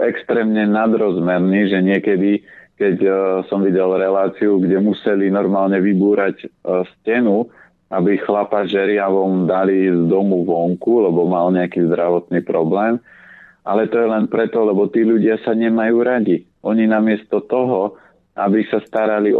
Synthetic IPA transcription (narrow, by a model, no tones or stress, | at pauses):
ɛkst̪ɾɛːmɲɛnad̪ɾɔzmɛɾniːʒɛɲɪɛkɛd̪ikɛcsɔmʋiɟɛlɾɛlaːt͡siuɡɟɛmusɛlinɔɾmaːlɲɛʋibuːɾacscɛnu | abixlapaʒɛɾɪaʋɔnd̪alizd̪ɔmuʋɔŋkulɛbɔmalɲɛakiːzd̪ɾaʋɔt̪niːpɾɔblɛːm | ʔalɛt̪ɔjɛlɛnpɾɛt̪ɔlɛbɔt̪iːʎuɟɪasaɲɛmajuːɾaɟi | ʔɔɲinamɪɛst̪ɔt̪ɔɦɔ | ʔabisast̪aɾali